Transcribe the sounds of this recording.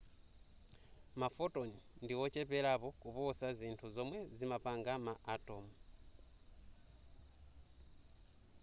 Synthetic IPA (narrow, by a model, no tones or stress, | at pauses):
mafoto̞nindiwocepelaβo̞kuβosaziːntʰuzo̞mwe̞zimapaːŋɡamaʔːto̞mu